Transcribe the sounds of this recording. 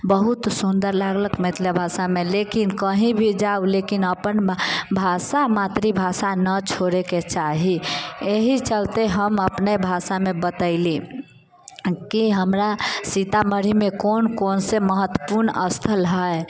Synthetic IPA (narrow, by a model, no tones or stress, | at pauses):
bəɦut̪sund̪əɾlaɡləkmet̪ʰlebʱasamelekinkəɦĩbʱid͡ʒaulekinəpənbʱasamat̪ɾibʱasanət͡ʃʰoɾeket͡ʃaɦieɦit͡ʃəlt̪eɦəməpnebʱasamebət̪əɪli | kiɦəmɾasit̪aməɾimekonkonseməɦət̪ːwəpuɾnəst̪ʰəlɦəe